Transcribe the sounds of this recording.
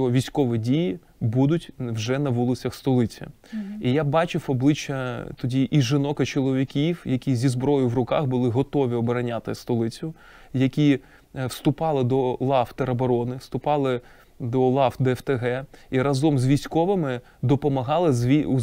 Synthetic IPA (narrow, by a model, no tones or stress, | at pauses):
ɔʋʲijsʲkɔʋɪdʲiji | bud̪ʊtʲwʒɛnɐʋulˠɪt͡sʲɐxst̪ɔlˠɪt͡sʲɐ̰ | ijabɑt͡ʃɪwɔblˠɪt͡ʃːɐt̪ɔdʲiʔiʒɪnɔkɐt͡ʃɔlˠɔʋʲikʲiwjɐkʲizʲizbɾɔjʊwrʊkɑ̰xbʊlˠɪɦɔt̪ɔʋʲiɔbɐɾɐnʲat̪ɪst̪ɔlˠɪt͡sʲʊ | jɐkʲi | wst̪ʊpɑlˠɪd̪ɔlˠɑft̪eɾɐbɐɾɔnɪwst̪ʊpɑlˠɪ | d̪ɔlˠɑfd̪ɛɛft̪eɦɛiɾɐzɔmzʋʲijsʲkɔʋɪmɪ | d̪ɔpɔmɐɦɑlˠɪzʲi